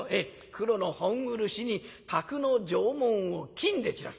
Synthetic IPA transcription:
e | kɯ̟ɾo̞no̞hõŋɯɾɯ̟ɕiɲ̟it̪ʰakɯ̟nod͡ʑoːmõɰ̃okʲʰĩnd̪e̞t͡ɕiɾa̰

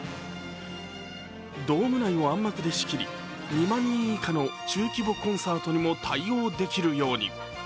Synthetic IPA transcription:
d̪o̞ːmɯ̟naio̞ãmːakɯ̟d̪e̞ɕi̥kʲiɾʲḭ | ɲʲimãɲ̟ːĩikano̞t͡ɕɨːkʲibo̞kõ̞ɰ̃saːt̪o̞ɲ̟imo̞t̪ʰaio̞ːd̪e̞kʲiɾɯ̟jo̞ːɲ̟ḭ

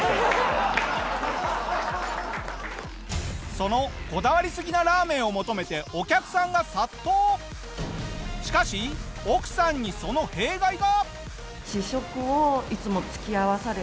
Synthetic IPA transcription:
so̞no̞ko̞d̪aβaɾʲisɨɡʲinaɾaːmẽ̞ɰ̃o̞mo̞t̪o̞me̞t̪e̞o̞kʲakɯ̟̥sãŋɡasat̪ːo̞ː | ɕi̥kaɕio̞kɯ̟̥sãɲ̟ːiso̞no̞he̞ːɡaiɡa | ɕiɕo̞kɯ̟oit͡sɨmo̞t͡sɨ̥kʲiaβasaɾe

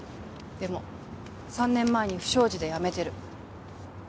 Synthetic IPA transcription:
d̪̥e̞mo̞ | sãnːẽ̞mːae̞ɲ̟iɸɯ̟̥ɕo̞ːʑid̪e̞jame̞t̪e̞ɾɯ̟

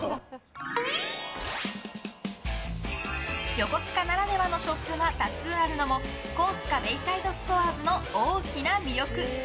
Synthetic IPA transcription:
jo̞ko̞sɨ̥kanaɾane̞bano̞ɕo̞pːɯ̟ɡat̪asɨːaɾɯ̟no̞mo̞ | ko̞ːsɨ̥kabe̞isaid̪o̞sɨ̥t̪o̞aːɾɨno̞oːkʲinamʲiɾʲo̞kɯ̟

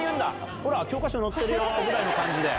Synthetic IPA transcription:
iɯnd̪a | oɾakʲjok͈aɕʰinot̪͈ːeɾɯjoɡɯɾainokaɲd͡ʑid̪e̞

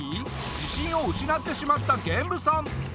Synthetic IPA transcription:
i | d͡ʑiɕĩɰ̃o̞ɯ̟ɕinat̪ːe̞ɕimat̪ːaɡẽ̞mbɯ̟sã

